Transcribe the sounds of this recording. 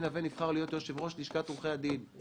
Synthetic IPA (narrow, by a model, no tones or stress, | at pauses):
navenifχaʁlijo̞t̪jo̞ʃevʁo̞ʃniʃkat̪ʁuχead̪in